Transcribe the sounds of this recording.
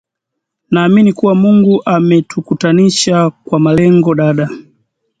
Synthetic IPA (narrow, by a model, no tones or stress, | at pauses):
naːminikuwamuŋɡuʔamɛtukutaniʃakwamalɛŋɡɔɗaɗa